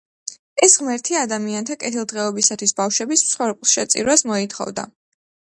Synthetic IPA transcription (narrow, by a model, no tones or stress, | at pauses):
ɛsʁmɛɾt̪ʰiad̪amiant̪ʰakʼɛt̪ʰilˠd̪ʁɛɔbisat̪ʰwisbafʃwɛbismt̪sʰχwɛɾpʼlˠʃɛt̪sʼḭɾwasmɔit̪ʰχɔ̰vd̪a̰